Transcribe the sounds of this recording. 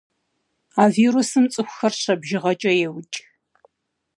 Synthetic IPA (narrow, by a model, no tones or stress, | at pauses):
aːviːɾusɨmt͡sʼɨxʷxɐrɕɐbʒɪʁɐt͡ʃʼɐjɛwʊt͡ʃʼ